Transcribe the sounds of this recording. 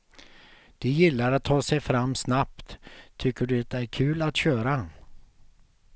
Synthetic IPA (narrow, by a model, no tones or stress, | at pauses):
d̪̥ɛjɪlːaɾat̪ʰːɑːsɛjfɾamːsnapt̪t̪ʰːʏkːəɖɵt̪æɾkʰʉ̟ːlat̪ɕøːɾa